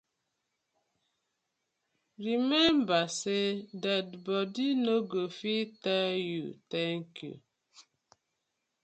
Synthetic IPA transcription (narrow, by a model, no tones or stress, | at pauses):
ɾimɛmbasedat̚bɔdinoɡofitajṵtɛŋkjṵ